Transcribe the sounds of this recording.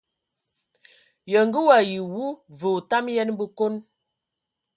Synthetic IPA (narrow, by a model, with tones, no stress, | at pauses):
jə˨ŋɡə˦wa˨ji˨wu˦və˨ta˦mjɛ˦nbə˦ko˦n